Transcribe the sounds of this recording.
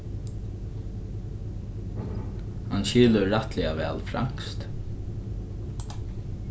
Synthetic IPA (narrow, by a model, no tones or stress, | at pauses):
hanʃiːləɾat̪lɪaʋɛ̰ːlfɾa̰ŋ̥kst̪